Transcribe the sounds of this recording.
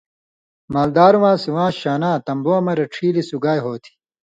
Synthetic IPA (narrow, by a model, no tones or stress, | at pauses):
maːld̪aːɾuwãːsiwãːɕaːnãːt̪ɐmboːɐmɐɾɐʈ͡ʂʰiːlisuɡaːjɦoːt̪ʰi̥